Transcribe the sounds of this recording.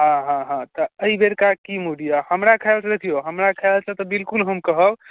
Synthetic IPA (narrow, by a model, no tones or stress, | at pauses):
ɦãɦãɦãt̪ɔəibeɾkakimuɖijahəmɾakʰəelt͡ʃʰəd̪ekʰijoɦəmɾakʰəelt͡ʃʰət̪ɔbilkulɦəmkəɦəb